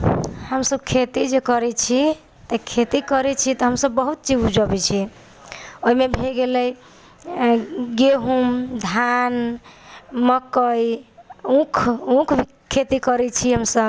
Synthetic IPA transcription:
həmsəbkʰet̪id͡ʒekəɾɛt͡ʃʰi | t̪ekʰet̪ikəɾɛt͡ʃʰit̪ɔɦəmsəbːəɦut̪̚t͡ʃid͡ʒud͡ʒəbɛt͡ʃʰi | oɦimebʱeɡeləj | ɡeɦumd̪ʱan | məkəjũkʰũkʰbʱi | kʰet̪ikəɾɛt͡ʃʰiɦəmsəb

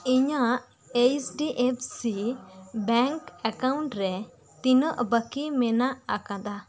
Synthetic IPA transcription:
iɲaʔ | ejsɖiʔep̚ʰsibɛŋkɛkawɳʈɾɛ | t̪inəʔbəkimɛnaʔakãd̪a

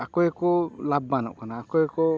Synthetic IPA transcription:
akɔekɔlabanɔ̰ʔkanaːkɔekɔ

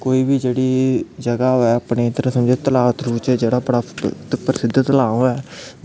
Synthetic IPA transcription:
koːiːbiːd͡ʒeːɽiːd͡ʒəɡaːɦoɛːəpneːt̪əɾə̃səmd͡ʒeːt̪əlaːt̪ɾuːt͡ʃɛːd͡ʒeːɽaːpəɽapəɾɪsɪd̪t̪əlaːõːɛː

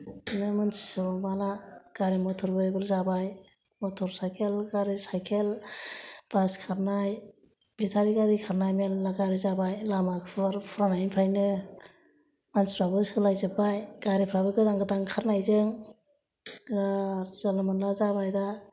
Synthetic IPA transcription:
nɯmɯnsi̥sɔmalaɡ̥aɾimɔtʰɔɾbɯjbɯlzabajmɔtʰɔɾsajkʰelɡaɾisajkʰel | b̥askʰaɾnaj | b̥itʰaɾiɡadikʰaɾnajmelːaɡaɾizabajlamakʰpʰɯɾpʰɾanajnpʰajnɯ | manspʰɾabɯskʰɯlajzɯbajɡaɾipʰɾabɯɡɯdaŋɡɯdaŋkʰaɾnajzeŋ | ɡaɾz̥alamɯnlazabajda

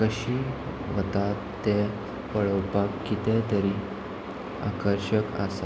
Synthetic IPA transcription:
kəɕiː | ʋət̪at̪ːe | pəɭəwpakːit̪ɛ̃t̪əɾiː | a̰kəɾɕəka̰sa

